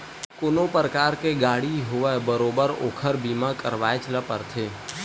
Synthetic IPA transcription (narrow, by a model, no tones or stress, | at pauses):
kʊnõpɾəkaːɾkeɡaːɽiɦʊʋɛbəɾoːbəɾo̰ːkʰəɾbiːmãkəɾʋaːet͡ʃələpəɾt̪ʰeː